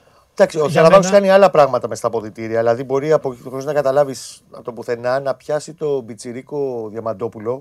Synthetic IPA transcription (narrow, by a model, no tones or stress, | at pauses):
d̪ɐksioçɐlɐvɐoskɐniɐlɐpɾɐɣmɐt̪ɐmest̪ɐpo̞ðit̪iɾiɐðilɐðibo̞ɾiɐpoxoznɐkɐt̪ɐlɐvisnɐt̪opuθe̞nɐnɐpçɐsit̪o̞bit͡siɾiko̞ðjɐmɐd̪o̞pulo̞